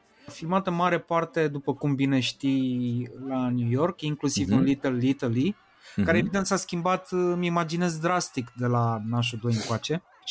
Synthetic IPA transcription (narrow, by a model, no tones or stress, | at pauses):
filmat̪ənmaɾe̞part̪e̞d̪upəkumbine̞ʃt̪i | lanjujo̞rkiŋklusivunlit̪elːit̪əli | kaɾeeːvid̪e̞nt̪saskʲimbat̪mimad͡ʒine̞zd̪ɾast̪ikd̪e̞lanaʃ̬ud̪o̞jɨŋkoat͡ʃe̞